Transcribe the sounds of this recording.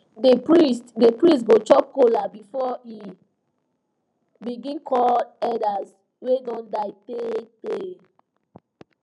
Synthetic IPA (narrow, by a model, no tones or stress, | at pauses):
depɹistdepɹistɡot͡ʃɔp̚kolabifɔi | biɡĩnkʰɔldɛdas | wedɔ̃ndaɪpete